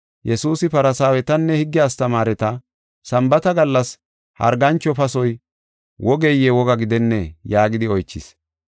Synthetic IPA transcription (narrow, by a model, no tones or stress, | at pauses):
jɛsuːsɪpɐɾɐsaːwɛt̪ɐnːɛhɪɡːɪjaːst̪ɐmaːɾɛt̪ɐ | sɐmbɐt̪ɐɡɐlːɐs | hɐ̰ɾɡɐnt͡ʃːɔpɐsɔj | wɔɡejɛwɔɡɐɡɪd̪ɛnːɛjaːɡɪd̪ɪɔjt͡ʃːɪ̰s